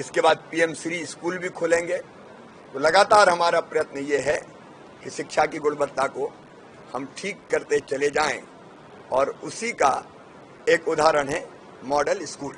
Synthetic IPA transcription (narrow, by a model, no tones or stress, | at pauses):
ɪskebaːd̪̚piːɛmsɾiɪskuːlbʱikʰoːlẽːŋɡe | t̪olɐɡaːt̪aːɾɦɐmaːɾapɾɐjət̪nəjeɦɛ | kiʃɪkʃakiɡʊɽbət̪ːako | hɐmʈʰiːkːɐɾt̪et͡ʃɐled͡ʒaːḛ̃ | ɔːɾʊsika̰ | eːkʊd̪ʱaːɾəɽ̃ɦɛ | mɔːɖəlɪskuːlɦɛ